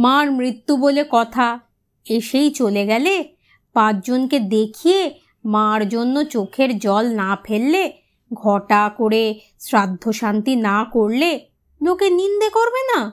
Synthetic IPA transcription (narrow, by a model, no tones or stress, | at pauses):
maɾmɾit̪ːubolekɔt̪ʰa | eʃejt͡ɕoleɡɛle | pãt͡ɕd͡ʑonked̪ekʰije | mãɾd͡ʑonːot͡ɕokʰeɾd͡ʑɔlnapʰelːe | ɡʱɔʈakoɾe | sɾad̪ʱːoʃant̪inakoɾle | lokenind̪ekoɾbena